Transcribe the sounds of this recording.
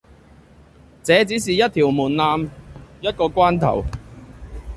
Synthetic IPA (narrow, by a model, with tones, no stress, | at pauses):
t͡sɛː˨˥t͡siː˨˥s̬iː˨jɐ˥t̚t̪ʰiː˨˩wmuː˨˩nlaː˧mjɐ˥t̚kɔː˧kʷaː˥nt̪ʰɐ̰˨˩w